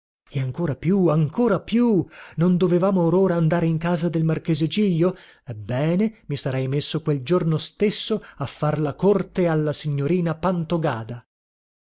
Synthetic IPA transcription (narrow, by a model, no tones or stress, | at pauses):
eaŋkoːɾapjuaŋkoːɾapjunond̪ovevaːmoːɾoːɾaːnd̪aːɾeiŋkaːzad̪elmark̟eːzed͡ʒiʎːoɛbːɛːnemisaɾɛjmesːokweld͡ʒornost̪esːoafːarlakort̪ealːasiɲːoɾiːnapant̪oɡaːd̪a